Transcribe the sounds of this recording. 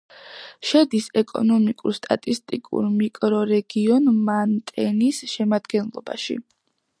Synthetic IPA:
ʃɛd̪isɛkʼɔ̰nɔmikʼuɾst̪ʼat̪ʼist̪ʼikʼṵɾmikʼɾɔɾɛɡiɔnmant̪ʼɛnisʃɛmad̪ɡɛnlˠɔba̰ʃḭ

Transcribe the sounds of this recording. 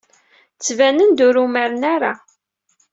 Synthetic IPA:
t͡sːvænənd̪ʊɾumæɾənaɾa̰

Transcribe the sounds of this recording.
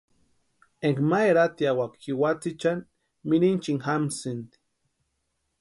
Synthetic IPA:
eŋkmaeɾat̪iawakːiwat͡sit͡ʃan | minint͡ʃiŋxamt͡sint̪i̥

